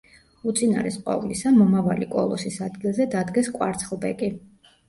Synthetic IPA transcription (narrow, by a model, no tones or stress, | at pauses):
ut̪sʼina̰ɾɛsqʼwa̰vulisamɔmavalikʼɔ̰lˠɔsisad̪ɡilˠzɛd̪ad̪ɡɛskʼwa̰ɾt̪sʰχlˠbɛkʼi